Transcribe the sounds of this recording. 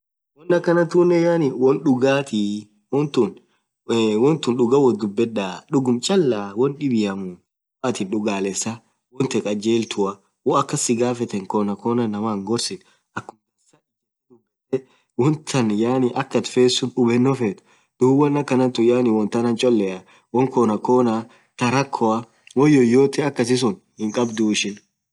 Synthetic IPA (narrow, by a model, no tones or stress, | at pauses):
wɔnːɐkːɐnɐt̪uːnːɛjaːnɪwɔnɗʊɡaːt̪i | wɔnt̪ʊn | wɔnt̪ʊnᶑʊɡɐwɔd̪ʊbːɛᶑaːɗʊɡʊmt͡ʃʼɐlːaːwɔnɗɪbɪjɐmʊ | ɐt̪ɪnᶑʊɡaːlɛsːɐ | wɔnt̪ɛkʼɐd͡ʒeːlt̪ʰʊɐ | wɔɐkːɐsɪɡaːfɛt̪ɛŋkoːnɐkoːnɐnːɐmaːŋɡɔɾsɪᶑ | ʔɐkːʊmɛsɐɪt | ᶑʊɡalɛ | wɔnt̪ʰɐnjaːnɪʔɐkːɐt̪feːsːʊʊbɛnːɔfeːt̪ʊ̥ | d̪̥uːwɐnːɐkːɐnɐnt̪ʊjaːnɪwɔnt̪ɐnɐnt͡ʃʼɔlːɛɐ | wɔŋkoːnɐkoːna | t̪ɐɾɐkʰːɔɐ | wɔjːɔjoːt̪ɛɐkːɐs̬ɪs̬ʊn | hɪŋkʼɐbd̪uːɪʃɪn